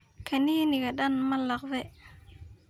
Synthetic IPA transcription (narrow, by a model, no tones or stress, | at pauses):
kʰaniniɡaɗanmalak̚ve